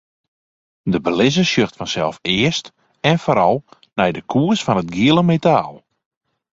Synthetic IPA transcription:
dəbəlɪzəsjøxtfɔnsɛlˠfɪəst | ɛnfoɾɔlˠ | nɛjdəkʰuəsfɔnət̚ɡiəlˠəmetaːlˠ

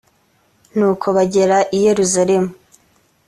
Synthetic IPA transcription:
nuːkʰo̞βaɟe̞ɾaʔije̞ɾuzaɾe̞mu

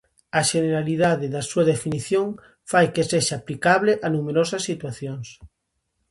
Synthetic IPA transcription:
aʃeneɾaliðaðeðasuaðefiniθjoŋ | fajkeseʃaplikaβ̞leʔanumeɾosasːit̪waθjons

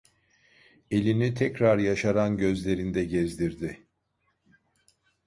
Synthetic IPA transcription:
e̞lʲinit̪ʰɛcɾaɾjaʃaɾanɟø̞zlʲe̞ɾind̪ɛɟɛzd̪iɾd̪ɪ

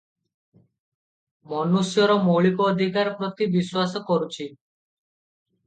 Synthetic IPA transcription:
mɔnusjɔɾɔmoɭikɔːd̪ʱikaɾɔpɾɔt̪ibiswasɔkɔɾut͡ʃʰi

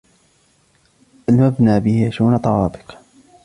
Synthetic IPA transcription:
ʔalmabnaːbɪhjaʃuːnt̪ˤɑwɑːb̪ɨ̥q

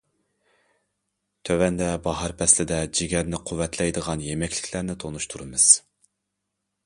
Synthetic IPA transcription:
t̪ʰøwɛnd̪ɛbɑɦɑɾpʰɛslɪd̪ɛd͡ʒiɡʲɛɾnɪqʰuwːɛt̪ʰlɛjd̪əʁɑnjemɛkʲʰlɪ̥kʲlæɾnɪt̪ʰonuʃt̪ʰuɾɨmɨz̥

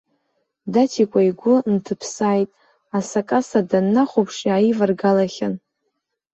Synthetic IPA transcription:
datʰikʷʼaiɡʷʊntʰɨpʰsaːjtʼ | asakʼasadanːaχʷopʰʂiaivarɡalaχʲan

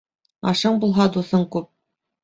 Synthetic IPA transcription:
ɑʃɤɴbulˠɦɑd̪uθɤɴkʉp̚

